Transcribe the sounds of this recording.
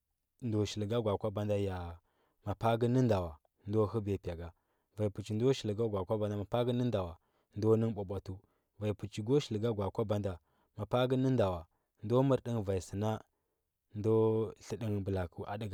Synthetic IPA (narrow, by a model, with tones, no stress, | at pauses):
ndo˨ʃi˨lɡa˦ɡʷa˨kʷa˦ba˦nda˦ja˨ | ma˨pa˦ɡə˦ni˦nda˨wa˨ | ndo˦hu˦be˨pʲa˨ɡa˨ | va˨i˨pu˨t͡ʃi˨ndo˦ʃi˨lɡa˦ɡʷa˨kʷa˦ba˦nda˦˨ma˨pa˦ɡə˦nə˦nda˨wa˨ | ndo˦ni˦ŋɓo˨ɓʷa˨tu˦ | va˨i˨pu˨t͡ʃi˨ɡo˦ʃi˨lɡa˦ɡʷa˨kʷa˦ba˦nda˨ | ma˨pa˦ɡə˦nə˦nda˨wa˨ | ndo˦mə˦ɾɗi˦ŋva˨i˨sə˨na˦ | ndo˦ɬi˦ɗi˦ŋbə˨la˨ku˦ʔa˨di˦ɡ